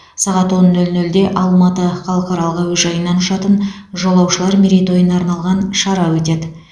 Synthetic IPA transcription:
sɑʁɑt̪wo̞nːɵlnɵld̪e̞ʔɑlˠmɑt̪əχɑlˠəqɑɾɑlˠəʁɑwɵzʒɑjənːɑnʊʃɑt̪ənʒo̞lˠɑwʃəlˠɑɾmʲeɾʲejt̪o̞jənɑɾnɑlˠʁɑnʃɑɾɑwɵt̪e̞d̪ɪ

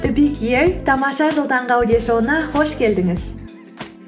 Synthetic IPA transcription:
t̪ʊbikjeɾt̪ʰɑmɑʃɑʒəlˠd̪ɑɴʁɑwd̪eʃowənɑχo̞ʃkʲʰe̞ld̪ɪŋɪz̥

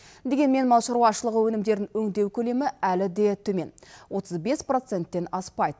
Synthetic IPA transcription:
d̪e̞ɡʲe̞nme̞nmɑwʃəɾwɑʃəlˠəʁəwɵnɪmd̪e̞ɾd̪ɪŋɵŋd̪e̞wkʲʰɵle̞mɪælɪd̪e̞t̪ʰɵme̞nwo̞t̪ʰəzbe̞spro̞t̪se̞nt̪ːe̞nɑspɑjd̪ə

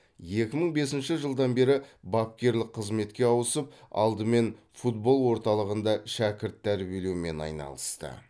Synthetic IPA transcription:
je̞kʲɪməɴbe̞sɪnʃɪʒəlˠd̪ɑnbe̞ɾɪbɑp̚kʲe̞ɾlɪq̚qːʰəzme̞t̪kʲe̞ɑwəsəp̚ɑ̰lˠd̪əme̞n | fut̪bo̞lˠwo̞ɾt̪ɑlˠəʁənd̪ɑʃækʲɪɾt̪ʰːæɾbelewme̞nɑ̰jnɑ̰lˠəst̪ə̰

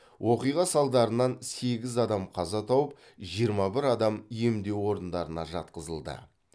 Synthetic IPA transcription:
wʔo̞qijʁɑsɑlˠd̪ɑɾənɑnse̞ɡʲɪzɑd̪ɑmqʰɑzɑt̪ʰɑwəp | ʒijəɾmɑbɪɾɑd̪ɑmijemd̪e̞wo̞ɾənd̪ɑɾənɑʒɑt̪̚qəzəlˠd̪ə̰

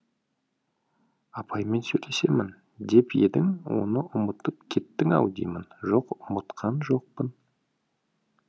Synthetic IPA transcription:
ɑpʰɑjme̞nsɵjle̞se̞mɪn | d̪e̞pje̞d̪ɪŋwo̞̰nəʔʊmət̪əp̚kʲʰe̞t̪ːɪŋɑ̰wd̪ḭjmənʒo̞qʊmət̪qʰɑnʒo̞q̚pən

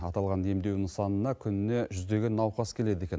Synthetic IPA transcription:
ɑt̪ɑlˠʁɑne̞md̪e̞wnɪŋsɑnənɑkʲʰʏnɪne̞ʒʏzd̪e̞ɡʲenːɑwqɑskʲʰe̞le̞d̪e̞kʲen

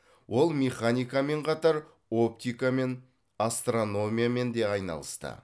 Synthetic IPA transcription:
wʔo̞lˠmʲeχanʲijkame̞ɴqʰɑt̪ɑɾ | o̞p̚t̪ijkame̞n | ast̪ro̞no̞mʲijame̞nd̪e̞ɑjnɑ̰lˠəst̪ə̰

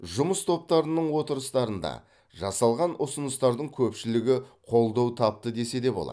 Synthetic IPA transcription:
ʒʊməst̪ʰo̞p̚t̪ɑɾənəɴwo̞t̪əɾəst̪ɑɾənd̪ɑ̰ | ʒɑsɑlˠʁɑnʔʊsənəst̪ɑɾd̪əɴkʲʰɵpʃɪlɪɡʲɪqʰo̞lˠd̪ɑwt̪ʰɑp̚t̪əd̪e̞se̞d̪e̞bo̞lˠɑ̰

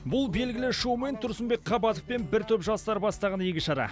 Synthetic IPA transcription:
bʊlˠbe̞lɡʲɪlɪʃowme̞nt̪ʰʊɾsəmbe̞k̚qʰɑbɑt̪əfpe̞nbɪɾt̪ʰɵpʒɑst̪ɑɾbɑst̪ɑʁɑnekʲɪʃɑɾɑ̰

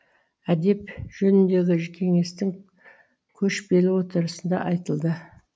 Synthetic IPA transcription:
æd̪e̞pʒ̥ɵnɪnd̪e̞ɡʲɪkʲʰe̞ŋe̞st̪ɪŋ | kʲʰɵʃbe̞lɪwo̞t̪əɾəsənd̪ɑ̰ʔɑjt̪əlˠd̪ə

